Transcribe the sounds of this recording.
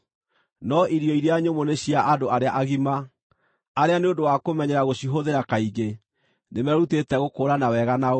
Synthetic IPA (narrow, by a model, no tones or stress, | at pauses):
nɔʔiɾiɔiɾeaɲomoneɕijaʔadoaɾeaʔaɣima | aɾeaneodowakomɛɲɛɾaɣoɕiɦoðeɾakaiɡe | nemɛɾutetɛɣokoːɾanawɛɣana